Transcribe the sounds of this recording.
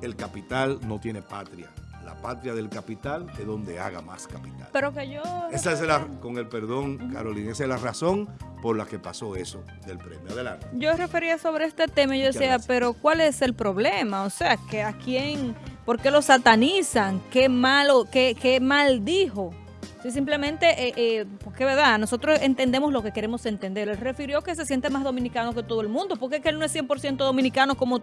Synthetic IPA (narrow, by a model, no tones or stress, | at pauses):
e̞lkapit̪alno̞t̪je̞nepat̪ɾja̰la̰pat̪ɾjaðe̞lkapit̪aleðo̞nd̪e̞̰a̰ɣa̰ma̰skapi̥t̪a̰lpeɾokeʝoesaesako̞ŋe̞lpeɾðo̞ŋka̰ɾo̞linesezlaraso̞ŋpo̞ɾlake̞paso̞e̞so | ðelpɾemjoaðela̰ned͡ʒo̞re̞fe̞ɾiaso̞β̞ɾeest̪e̞t̪e̞maʝoðesiape̞ɾo̞kwale̞se̞lpɾo̞βle̞maose̞akeakjeŋpo̞ɾke̞lo̞sat̪anisaŋkemalokekemald̪iho̞ | sis̬imple̞mẽ̞nt̪e̞ʔeʔepoɾke̞βe̞ɾðanoso̞t̪ɾo̞se̞nt̪e̞nd̪e̞moslo̞ke̞ke̞ɾe̞mose̞nt̪e̞nd̪e̞ɾelre̞fiɾjo̞ke̞s̬e̞sje̞nt̪emaszðo̞mĩnikano̞ke̞t̪oðoe̞lmũnd̪o̞po̞ɾkekelno̞esje̞mpo̞ɾsje̞nt̪o̞ðo̞mĩnikano̞ko̞mo